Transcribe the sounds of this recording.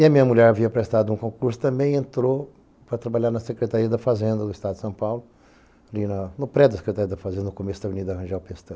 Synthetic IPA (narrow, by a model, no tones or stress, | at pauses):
ɪɐmĩɲɐmuʎɛɾaviɐpɾest̪ad̪ʊũkõkuɾsʊ̥t̪ɐ̃mbẽj̃ẽnt̪ɾo | pɾɐt̪ɾabaʎaɾnɐsekɾet̪aɾiɐd̪ɐfazẽnd̪ɐd̪ʊist̪ad̪d̪sɐ̃w̃pawlʊ | alinɐnʊpɾɛd̪ɐse̥kɾet̪aɾiɐd̪ɐfazẽnd̪ɐnʊkomesʊd̪ɐvenid̪ɐhɐ̃ʒawpest̪ɐ̃